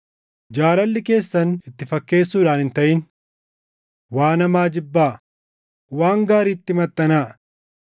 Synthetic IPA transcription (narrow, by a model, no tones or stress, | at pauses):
d͡ʒaːlɐlːɪke̞ːsːɐnɪt̪ːɪfɐkːe̞ːsːuːᶑaːnhɪnt̪ɐʔɪn | waːnɐmaːd͡ʒɪbːaː | waːŋɡaːɾiːt̪ːɪmɐt̪ːɐnaː